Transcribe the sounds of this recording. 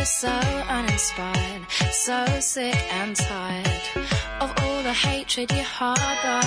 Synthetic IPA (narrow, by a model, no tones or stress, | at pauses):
soʊʌ̃ñɨ̃nspaɪə˞d̥̚soʊsɪkɨ̃ntʰaɪə˞dʔʌvɔlˠðəheɪtʰɹ̥ɨdjɨ̥hɑɹɹa